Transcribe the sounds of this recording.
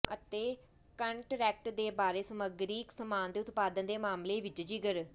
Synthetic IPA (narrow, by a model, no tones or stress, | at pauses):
ət̪eː | kəɳʈɾɛːk̚ʈd̪eːbaːɾeːsəməɡɾiːksəmaːnd̪eːʊt̪paːd̪ənd̪eːmaːmleːʋɪt͡ʃd͡ʒiɡəɾ